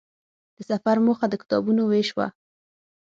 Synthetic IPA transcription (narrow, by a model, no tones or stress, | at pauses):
d̪̥əsafaɾmoxad̪əkɪ̥t̪ɑbunoweʃwa̰